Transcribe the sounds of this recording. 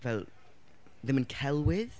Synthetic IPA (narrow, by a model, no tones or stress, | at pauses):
vɛlˠ | ðɪ̃mə̃nkʰɛlˠwɪð̥